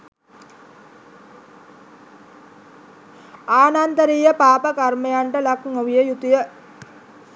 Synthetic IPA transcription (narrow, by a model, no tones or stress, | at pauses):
aːnant̪əɾiːjəpaːpəkarməjaɳʈəlakŋoʋijəjut̪ijə